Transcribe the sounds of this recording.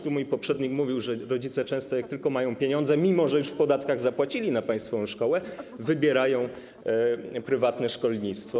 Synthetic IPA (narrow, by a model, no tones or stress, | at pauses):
t̪umujpɔpʂɛd̪ɲikmuvʲiwʐɛɾɔd͡ʑit̪sɛt͡ʂɛ̃st̪ɔjak̚t̪ɘlkɔmajɔ̃w̃pʲjeɲɔnzɛmʲimɔʐɛjuʂfpɔd̪at̪kaɣzapwat͡ɕilʲinapaj̃st̪fɔɔ̃w̃ʂkɔwɛvɘbʲjɛɾajɔ̃w̃ | pɾɘvat̪nɛʂkɔlɲit̪st̪fɔ